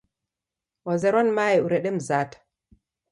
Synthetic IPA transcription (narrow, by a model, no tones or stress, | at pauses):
wɔzɛɾɔnmaːjɛuɾɛɗɛm̩zaːtḁ